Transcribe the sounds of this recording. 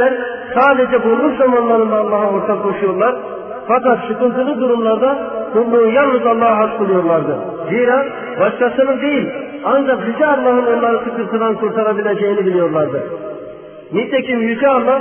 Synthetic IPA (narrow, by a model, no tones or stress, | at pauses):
æɾ | saːd̪ed͡ʒɛbuɾˠukzamanlˠaɾɯnd̪aːlˠːaɦao̞ɾt̪ʰakʰːo̞ʃujo̞ɾlˠaɾ | fakat̪ʃɯkɯlˠt̪ʰɯlˠɯd̪uɾumlˠaɾd̪akʰulˠːuːnjalˠnɯzalˠːaɦɦasbɯlˠujo̞ɾlˠaɾd̪ɯ | ziɾa | baʃkʰasɯnɯnd̪e̞jilʲ | and͡ʒakjyd͡ʒɛːlˠːaɦɯno̞nlˠaɾɯsɯkɯɾt̪ʰɯd̪ankʰuɾt̪ʰaɾabilʲe̞d͡ʒejinibilʲijo̞ɾlˠaɾd̪ɯ | nit̪ʰecʰimjyd͡ʒʰɛalˠːa